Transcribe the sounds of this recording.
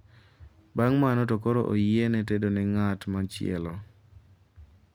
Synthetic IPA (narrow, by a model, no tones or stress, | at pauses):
baŋmanɔtokoɾo̰ʔo̰jenɛtedonɛŋatmat͡ʃɪ̰ɛ̰lɔ